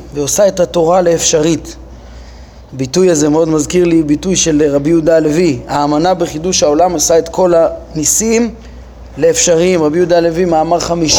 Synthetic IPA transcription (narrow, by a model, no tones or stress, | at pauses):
veosae̞thato̞ʁaleːfʃaʁit | habitujazemeo̞d̪mazkiʁlibitujʃe̞lʁabijud̪aleviaːmanabeχiduʃhao̞lamosaet̪kʰo̞lanisim | le̞ːfʃaʁimʁabijudalevimaːmaʁχamiʃ